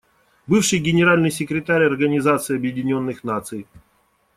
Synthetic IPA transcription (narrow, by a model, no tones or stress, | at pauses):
bɨfʂɨjɡʲɪnʲɪɾalʲnɨjsʲɪkɾʲɪt̪aɾʲɐrɡənʲɪzat̪sɨːɐbjɪdʲɪnʲo̞nːɨxnat̪sɨj